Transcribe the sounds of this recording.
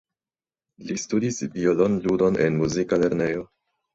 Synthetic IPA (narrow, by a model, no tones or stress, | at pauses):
listudisvio̞lo̞nludo̞ne̞nmuzikale̞ɾne̞jo̞